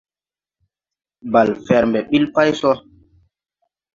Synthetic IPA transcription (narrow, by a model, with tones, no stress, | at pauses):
ba˨lfɛ˨ɾmbɛ˨ɓi˦lpa˦jsɔ˦